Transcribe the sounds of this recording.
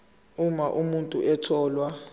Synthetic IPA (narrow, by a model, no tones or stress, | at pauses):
umaʔumuntʼuʔɛtʰɔːlwa